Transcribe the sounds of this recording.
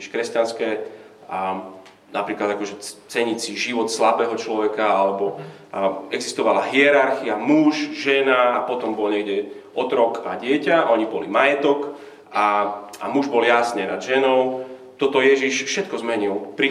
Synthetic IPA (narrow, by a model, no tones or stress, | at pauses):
iʃkɾɛscanskɛː | napɾiːklad̪akɔʒɛt͡sɛɲit͡siʒiʋɔt̪slabɛːɦɔt͡ʃlɔʋɛkaalɛbɔ | ɛɡzist̪ɔʋalaɦiɛɾaɾxiamuʃʒɛnaːpɔt̪ɔmbɔlɲɛɡɟɛɔt̪ɾɔkaɟɪɛcaʔɔɲibɔlimajɛt̪ɔk | aa̰muʒbɔljasɲɛnad̪ʒɛnɔʊ | t̪ɔt̪ɔjɛʒiʃfʃɛt̪kɔzmɛɲilpɾi